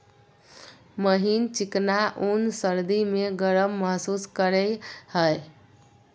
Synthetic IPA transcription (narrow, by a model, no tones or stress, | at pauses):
məɦint͡ʃiknaʔunsəɾd̪imeɡəɾəmːəɦsuskəɾɛjhəj